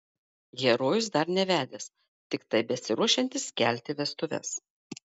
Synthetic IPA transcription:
jʲɛɾoːjʊsd̪ɐɾnʲɛʋʲæːd̪ʲes | t̪ʲɪkt̪ɐɪbʲɛsʲɪɾuɔʃʲɛnʲt̪ʲɪskʲæˑlʲt̪ʲɪʋʲɛst̪ʊʋʲɛ̰s

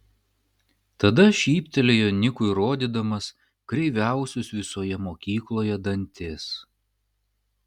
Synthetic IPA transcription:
t̪ɐd̪ɐʃʲiːpʲt̪ʲɛlʲejonʲɪkʊɪɾoːd̪ʲiːd̪ɐmɐs | kɾʲɛɪʋʲæˑʊsʲʊsʋʲɪsoːjɛmoːkʲiːklˠoːjɛd̪ɐnʲt̪ʲeːs

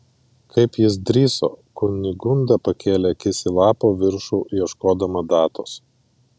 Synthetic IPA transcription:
kʰɐɪpjɪsd̪ʲɾʲiːso̰ːkʊnʲɪɡʊnd̪ɐpɐkʲeːlʲekʲɪsʲɪlˠɑːpoːʋʲɪɾʃuːjiɛʃkoːd̪ɐmɐd̪ɑːt̪o̰ːs

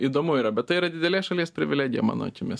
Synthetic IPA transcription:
iːd̪oːmʊiːɾɐbʲɛt̪t̪ɐɪiːɾɐd̪ʲɪd̪ʲɛlʲeːʃɐlʲiɛspʲɾʲɪʋʲɪlʲæːɡʲɪjɛ̰mɑ̰ːno̰t͡ʃʲɪmʲɪs

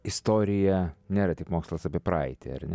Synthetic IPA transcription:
ɪst̪oːɾʲɪjɛnʲeːɾɐt̪ʲɪkmoːkslˠɐsɐpʲɪɛpɾɑ̰ɪt̪ʲɪ̰ɐ̰ɾnʲɛ

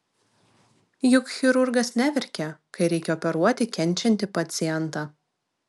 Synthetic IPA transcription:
jʊkxʲɪɾʊɾɡɐsnʲæʋʲɪɾʲkʲɛkɐɪɾʲɛɪkʲɛɔpʲɛɾuɔt̪ʲɪkʲɛnʲˑt͡ʃʲɛnʲt̪ʲɪpɐt̪sʲɪjɛnt̪ɑː

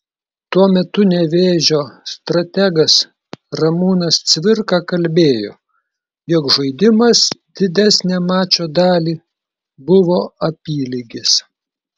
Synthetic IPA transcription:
t̪uɔmʲɛt̪ʊnʲɛʋʲeːʒʲoːst̪ɾɐt̪ʲæɡɐs | ɾɐmuːnɐst̪sʲʋʲɪɾkɑkɐlʲbʲeːjo̰ː | jɔkʒɐɪd̪ʲɪmɐsd̪ʲɪd̪ʲæsʲnʲæːmɑːt͡ʃʲoːd̪ɑːlʲiː | bʊʋoːɐpʲiːlʲɪɡʲɪs

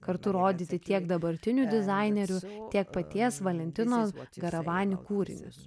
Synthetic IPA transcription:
kɐɾt̪ʊɾoːd̪ʲit̪ʲɪt̪ʲiɛɡd̪ɐbɐɾʲt̪ʲɪnʲud̪ʲɪzɑɪnʲɛɾʲʊt̪ʲiɛk̚pɐt̪ʲiɛsʋɐlʲɛnʲt̪ʲɪnoːɡɐɾɐʋɑːnʲɪkuːɾʲɪ̰nʲɪ̰

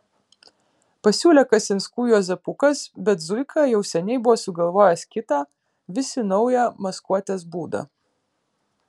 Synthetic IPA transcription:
pɐsʲuːlʲɛkɐsʲɪnskuːjuːzʲɐpʊkɐsbʲɛt̪zʊɪkʰɑjɛʊsʲɛnʲɛɪbʊʋoːsʊɡɐlˠʋoːjɛskʲɪt̪ɑː | ʋʲɪsʲɪnɔʊjɛmɐskuɔt̪ʲeːs̬buːd̪ɐ̰

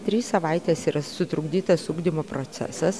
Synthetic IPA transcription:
t̪ʲɾʲiːssɐʋɐɪt̪ʲeːsiːɾɐsʊt̪ɾʊɡd̪ʲiːt̪ɐsuːɡd̪ʲɪmoːpɾoːt̪sʲæ̰sɐs

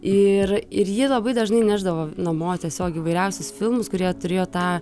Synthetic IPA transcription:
ɪrɪɾjɪlˠɐbɐɪd̪ɐʒnɐɪnʲæʒd̪ɐʋoːnɐmoːt̪ʲɛsʲoːkʲːʋɐɪɾʲɛʊsʲʊsfʲɪlˠmʊskʊɾʲiɛt̪ʊɾʲeːjoːt̪ɑː

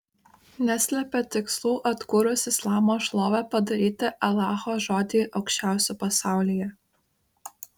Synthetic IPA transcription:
nʲæsʲlʲɛpʲɛt̪ʲɪkslˠuːʔɐt̪kuːɾʊsɪslˠɑːmoːʃlˠoːʋʲɛpɐd̪ɐɾʲiːt̪ʲɪʔɐlˠɑːxoʒoːd̪ʲiːʔɐʊkʃʲt͡ʃʲæˑʊsʲupɐsɑˑʊlʲijɛ

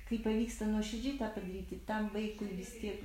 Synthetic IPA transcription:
kɐɪpɐʋʲiːkst̪ɐnuɔʃʲɛd͡ʒʲɪt̪aːpɐd̪ɾʲiːt̪ʲɪt̪ɐmʋɐɪkʊɪʋʲɪsʲt̪ʲiɛk

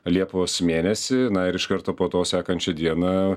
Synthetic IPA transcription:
lʲiɛpʋoːsmʲeːnʲɛsʲɪnɐɪɾɪʃkɐɾt̪oːpoːt̪oːsʲæːkɐnʲt͡ʃʲɛd̪ʲiɛnɐ

